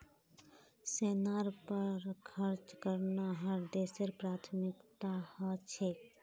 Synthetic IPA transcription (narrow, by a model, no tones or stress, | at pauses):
seːnaɾpəɾkʰəɾt͡ʃkəɾnaɦəɾd̪eːseɾpɾaːt̪ʰmɪkt̪ahat͡ʃʰe